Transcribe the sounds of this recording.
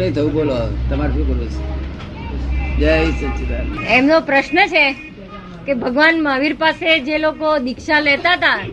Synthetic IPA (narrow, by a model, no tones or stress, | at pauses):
əĩt̪ʰəʋũbolot̪əmaɾʃũkəɾʋet͡ʃ | d͡ʒaisət͡ʃʰut̪aemnopɾəʃnət͡ʃʰe | kebʱəɡʋanmaʋiɾpased͡ʒelokod̪ikʃalɛt̪aɦət̪a